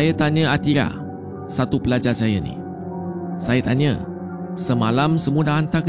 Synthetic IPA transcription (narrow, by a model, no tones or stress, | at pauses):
ajət̪aɲə̃at̪iɾa̰ | sat̪upəlad͡ʒasajənḭ̃ | sajət̪aɲə | səmalamsəmudaɦant̪akə